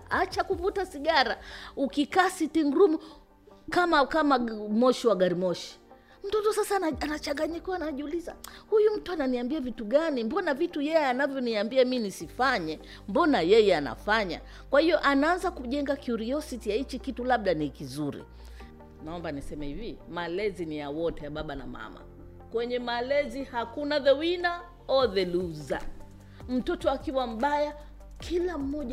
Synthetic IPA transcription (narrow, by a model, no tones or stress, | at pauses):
at͡ʃakuvutasiɠaɾaukikaːsitiŋɡɾumu | kamakamamɔʃiwaɡaɾimɔʃi̥ | m̩tɔtɔsasaanat͡ʃaŋɡaɲikɔanaʄiuliza̰hujum̩tuananiambiavituɠanimbɔnavitujɛjɛanavjɔniambiaminisifaɲɛ | mbɔnajɛjɛana̰faɲa̰ | kwahiɔʔanaanzakuʄɛŋɡakjuɾiɔsitijait͡ʃikitulaɓ̚ɗanikizuɾḭ | naɔmbanisɛmɛhivimalɛzinijawɔtɛjaɓaɓana̰ma̰ma̰ | kwɛɲɛmalɛzihakunaðɛwina | ɔðɛluza̰ | m̩tɔtɔakiwam̩ɓaja | kʰilam̩mɔʄ